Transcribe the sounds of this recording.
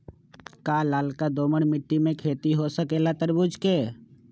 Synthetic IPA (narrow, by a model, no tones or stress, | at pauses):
kaːlaːlkad̪oːməɽmɪʈːimẽkʰeːt̪iɦosəkelat̪əɾbud͡ʒkeː